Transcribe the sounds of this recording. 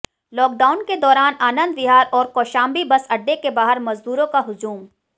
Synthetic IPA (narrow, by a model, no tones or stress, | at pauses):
lɔːk̚ɖaːʊnked̪ɔːɾaːnaːnə̃nd̪̚bɪɦaːɾɔːɾkɔːʃaːmbibɐsɐɖːekebaːɦəɾmɐzd̪uːɾõkaɦʊd͡ʒuːm